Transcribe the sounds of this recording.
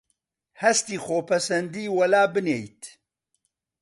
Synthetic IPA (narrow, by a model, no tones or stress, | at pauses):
hɐst̪iːxoːpʰɐsɐnd̪iːwɐlaːbɨnejt̪